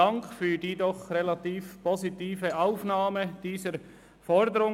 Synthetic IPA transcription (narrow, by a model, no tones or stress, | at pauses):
aŋkfyːdiːdɔχʁelatiːfpɔzitiːvəʔaʊfnaːməd̥iːzəɾ | fɔɾdəɾʊ